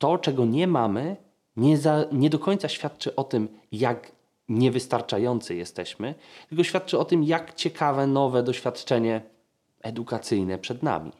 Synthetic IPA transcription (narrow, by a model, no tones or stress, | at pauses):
t̪ɔt͡ʂɛɡɔɲɛmamɘ | ɲɛzaɲɛd̪ɔkɔɲt̪saɕfʲjat̪t͡ʂɘʔɔt̪ɘmjak | ɲɛvɘst̪aɾt͡ʂajɔnt̪sɨjɛst̪ɛɕmɘt̪ɘlkɔɕfʲat̪̚t͡ʂɘɔt̪ɘmjakt͡ɕɛkʰavɛnɔvɛd̪ɔɕfʲjat̪t͡ʂɛɲɛ | ɛd̪ukat̪sɘjnɛpʂɛd̪na̰mʲḭ